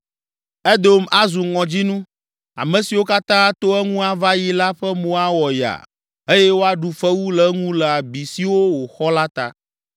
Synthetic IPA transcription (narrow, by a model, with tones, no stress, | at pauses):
ɛ˦d̪o˨˦ma˦zu˨ŋɔ̃˨d͡ʑi˦nũ˦ | a̰˨mɛ̃˨si˨wo˦ka˦t̪ã˦t̪o˦ɛ˦ŋũ˦a˨va˦ji˦la˦ɸɛ˦mõ˦a˦wɔ˨ja̰˨ | e˦jɛ˦wo˦a˦ɖu˨fɛ˦wu˦lɛ˨˦ŋũ˦lɛ˨a˨bi˨si˨wo˦wo˨xɔ˦la˦t̪a̰˦